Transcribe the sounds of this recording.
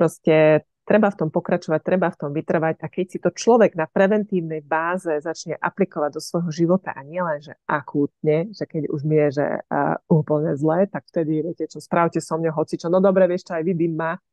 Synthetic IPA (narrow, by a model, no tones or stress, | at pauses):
pɾɔscɛ | t̪ɾɛbaft̪ɔmpɔkɾat͡ʃɔʋac̚t̪ɾɛbaft̪ɔmʋit̪r̩ʋaɟakɛcsit̪ɔt͡ʃlɔʋɛɡnapɾɛʋɛnt̪iːʊnɛjbaːzɛzat͡ʃɲɛʔaplikɔʋaɟ̚d̪ɔsʋɔjɦɔʒiʋɔt̪a̰ʔaɲɪɛlɛnʒɛʔakʰuːt̪̚ɲɛʒ̥ɛkɛɟṵʒmiɛʒɛ̰uːpl̩ɲɛzlɛːt̪akft̪ɛd̪iʋɪɛcɛt͡ʃɔspɾaʊcɛsɔmɲɔɦɔt͡sit͡ʃɔnɔd̪ɔbɾɛʋɪɛʃt͡ʃɔajʋib̪imːa